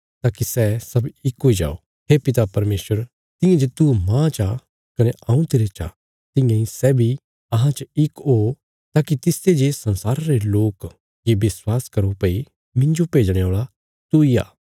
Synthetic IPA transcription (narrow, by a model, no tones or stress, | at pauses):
t̪aːkisɛsɐbɪkɦoːid͡ʒa̰ːo̰ | ɦeːpɪt̪apɐɾmeːswəɾ | t̪ɪ̃jãd͡ʒet̪umãt͡ʃa | kɐnɛɐũt̪eːɾet͡ʃa̰ | t̪ɪ̃jãisɛːbʱi | ɐɦãt͡ʃəɪko | t̪aːkit̪ɪsed͡ʒeːsɐ̃nsaːɾaɾeloːk | jebɪswaːskɐɾopɐi | mɪ̃nd͡ʒopeːd͡ʒɽ̃eoːɭa | t̪uia̰ː